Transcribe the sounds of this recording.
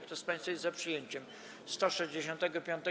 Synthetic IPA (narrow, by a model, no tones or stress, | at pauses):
kt̪ɔspãj̃st̪fajɛzzapʂɨjeɲt͡ɕɛm | st̪ɔʂɛʑd͡ʑeɕɔ̃nt̪ɛɡɔpʲjɔ̃nt̪ɛ